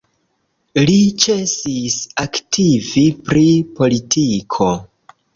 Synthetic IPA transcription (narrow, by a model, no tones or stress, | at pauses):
lit͡ʃe̞sisaktʰivipɾipo̞litʰikʰo̞